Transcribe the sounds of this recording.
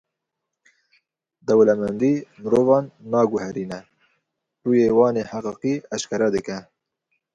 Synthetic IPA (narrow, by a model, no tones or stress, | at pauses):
d̪ɛwlɛmɛnd̪iːmɨɾoːvɑːnːɑːɡʊhɛɾiːnɛ | ruːjeːwɑːneːħaqiːqiːɑʃkʰɛɾɛd̪ɨkɛ